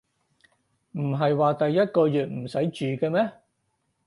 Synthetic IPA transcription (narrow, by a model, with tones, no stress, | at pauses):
m̩˨˩ɦɐ˨jwaː˨˧t̪ɐ˨jːɐ˥t̚kɔː˧jyː˨t̚m̩˨˩sɐ˨˥jt͡ʃyː˨kɛː˧mɛː˥